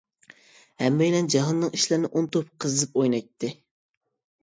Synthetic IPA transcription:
hɛmːejlɛnd͡ʒɑɦɑnːɨŋiʃlɪɾnɪʔont̪ʰop̚qʰəzɨɨpojnɑjt̪ʰːɪ

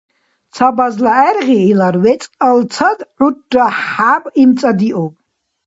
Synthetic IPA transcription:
t͡sʰabazlaɛɾʁiːlaɾwɛt͡sʼalt͡sʰad̪ʕutʼːaħħabimt͡sʼad̪iʔɔbʼ

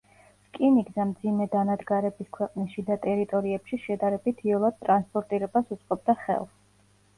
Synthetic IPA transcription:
skʼiniɡzɛmd̪zimɛd̪anad̪ɡaɾɛbiskʰwɛqʼniʃid̪at̪ʼɛɾit̪ʼɔɾiɛpʃiʃɛd̪aɾɛbit̪ʰiɔlˠad̪̚t̪ʼɾanspʼɔɾt̪ʼiɾɛbasut̪sʼqʼɔb̚d̪aχɛ̰lˠs

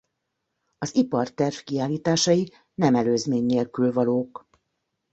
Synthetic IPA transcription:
ɒzipɒrt̪ɛrfkiaːlːiːt̪aːʃɒji | nɛmɛløːzmeːɲːeːlkylvɒloːk

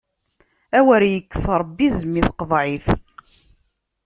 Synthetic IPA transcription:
æwæɾjəkːə̥sɾˤəbːizəmːiθqəðˤʕiθ

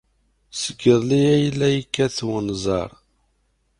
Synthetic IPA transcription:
səɡəðˤliæjəlːæjəkːæθwənzˤɑ̰ɾˤ

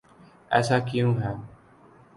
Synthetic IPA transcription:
ɛ̰ːsaːkɪjũːɦɛː

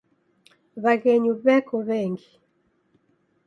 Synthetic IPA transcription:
βaɣɛɲuβɛkɔβɛːŋɡi

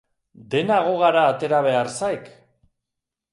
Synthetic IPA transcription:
d̪e̞naɣ̞o̞ɣ̞aɾaːt̪e̞ɾaβ̞e̞aɾsajk

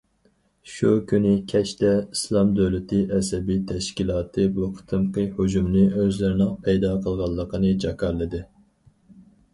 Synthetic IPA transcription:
ʃukʲʰynɪkʲʰɛt͡ʃt̪ʰɛislˠɑmd̪øwlɪt̪ʰɨʔɛsɛbijt̪ʰɛʃkʲilˠɑːt̪ʰɨbuqʰɨ̥t̪ʰɨmqɨhod͡ʒumlɨøzlɪɾɪnɨŋpʰɛjd̪ɑqʰəlˠʁɑlˠːəqʰənɨd͡ʒɑkɑɾlˠːɨd̪ɨ

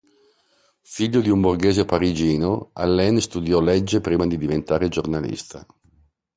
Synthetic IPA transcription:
fiʎːod̪iumburɡeːzepaɾid͡ʒiːnoalːɛnst̪ud̪jɔlɛd͡ʒːepɾiːmad̪id̪ivent̪aːɾed͡ʒornalḭst̪ʰa

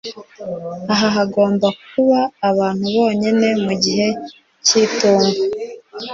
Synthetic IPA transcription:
aɦaɦaɡo̞ːmbak̚uβaːβaːn̥huβo̞ːɲine̞muɟiɦe̞ | ciːtuːmɡa

